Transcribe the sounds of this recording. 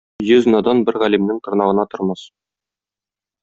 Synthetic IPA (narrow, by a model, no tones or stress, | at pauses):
jɵz̆nɑd̪ɑnbɘɾʁælimnɘŋt̪ɤ̆ɾnɑʁɤ̆nɑt̪ŏɾmɑs